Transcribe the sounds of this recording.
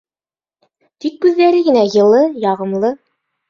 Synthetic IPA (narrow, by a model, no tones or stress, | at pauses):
t̪ikːʉðːæɾɘɡɘ̆næjɤ̆lˠɤjɑʁɤ̆mlˠɤ